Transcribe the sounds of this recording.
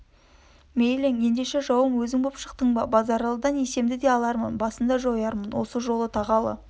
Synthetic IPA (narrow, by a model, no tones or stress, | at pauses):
mejleŋe̞nd̪e̞ʃe̞ʒɑwəmwɵzɪŋbopʃə̥q̚t̪əɴbɑbɑzɑɾɑlˠəd̪ɑne̞se̞md̪ɪd̪e̞ɑlˠɑɾmənbɑsənd̪ɑʒojɑɾmənwo̞̰səʒo̞lˠət̪ʰɑʁɑlˠə̰